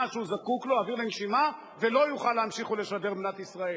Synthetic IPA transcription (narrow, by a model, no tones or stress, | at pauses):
aʃuzakukloaviʁlenʃima | velo̞juχalehamʃiχole̞ʃabe̞ʁbnat̪isʁae